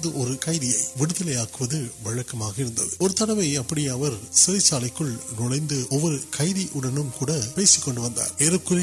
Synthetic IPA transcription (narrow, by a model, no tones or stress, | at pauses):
ðɯʔɔɾɯkɐɪðɪjɐɪʋɪɽɯðɐlɐjaːkɯʋɐðɯʋɐɻɐkːɐmaːɣɐɪɾɯnd̪ɐ̰ðɯɔɾɯt̪ɐɽɐʋɐɪɐpːɐɽɪjaːʋɐɾsɪɾɐɪt͡ʃːaːlɐɪkːɯɭnʊɭɐɪnd̪ɯɔʋːɔɾɯkʰɐɪðiʔʊɽɐnɯmkuːɽɐpeːsɪkːɔɳɖɯʋɐnd̪a̰ːɛɾɯkːɯɾ